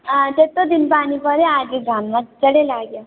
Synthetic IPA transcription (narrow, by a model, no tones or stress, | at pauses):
d͡ʒet̪ːod̪inpaːnipəɾead͡ʒiɡʱamːat͡ʃəɽelaːɡja